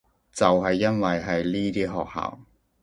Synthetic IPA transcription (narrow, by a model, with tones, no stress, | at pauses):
t͡sɐ˨wɦɐ˨jːɐ˥nwɐ˨jɦɐ˨jliː˥t̪iː˥ɦɔː˨k̚ha̰ː˨˩w